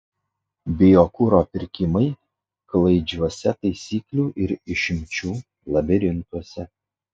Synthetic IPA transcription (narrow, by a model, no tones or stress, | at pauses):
bʲɪjoːkuɾoːpʲɪɾʲkʲɪmɐɪ | klˠɐɪd͡ʒʲɔsʲɛt̪ɐɪsʲiːklʲuːʔɪɾɪʃʲɪmʲt͡ʃʲuː | lˠɐbʲɛɾʲɪnt̪uɔsʲɛ